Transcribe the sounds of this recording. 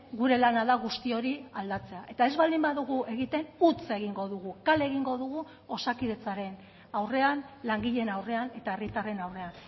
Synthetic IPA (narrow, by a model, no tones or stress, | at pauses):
ɡuɾe̞lanaðaɣust̪io̞ɾiald̪at͡se̞aʔe̞t̪ae̞zβald̪imbaðuɣ̞uʔe̞ɣit̪e̞nut͡se̞ɣiŋɡo̞ðuɣ̞ukale̞ɣiŋɡo̞ðuɣu | o̞sakiðe̞t͡saɾe̞n | awre̞anlaŋɡiʎe̞nawre̞ane̞t̪ae̞rit̪are̞nawre̞an